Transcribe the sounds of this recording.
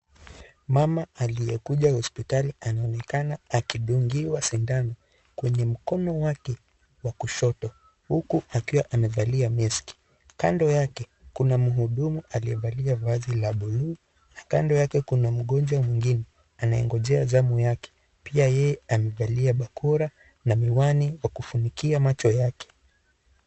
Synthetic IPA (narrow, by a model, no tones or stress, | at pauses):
mamaalijɛkuʄahɔspitalianaɔnɛkanaːkiɗuŋɡiwasindanɔ | kwɛɲɛm̩kɔnɔwakɛ | wakuʃɔtɔ | hukuakiwaʔamɛvaliamiski̥ | kandɔjakɛ | kunamuɦuɗumuʔaliɛvaliavazilaɓulu | nakandɔjakɛkunam̩ɠɔnd͡ʒwamwiŋɡinɛ | anajɛ̰ŋɡɔʄɛazamujakɛ̥ | piajɛjɛamɛvaliaɓakʰɔɾa | namiwaniwakufunikiamat͡ʃɔjakɛ̥